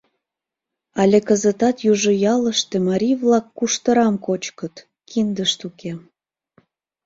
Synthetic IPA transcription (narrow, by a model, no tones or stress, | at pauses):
ɑlʲekəzət̪ɑt̪juʒojɑləʃt̪ĕmɑɾʲiβlɑkːuʃt̪əɾɑmkot͡ɕkət̪ | kʰind̪əʃt̪ukʰe